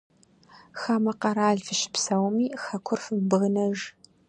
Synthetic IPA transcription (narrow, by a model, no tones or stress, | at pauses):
xaːmɐqɐɾaːɮfɨʃɪ̥psɐwmiːxɐkʷʰʊrfɨbɨʁnɐʒ